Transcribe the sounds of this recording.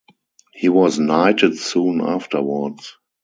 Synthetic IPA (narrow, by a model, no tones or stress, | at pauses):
hiːwɔsnaɪtətsũːna̰ftə˞wə˞ds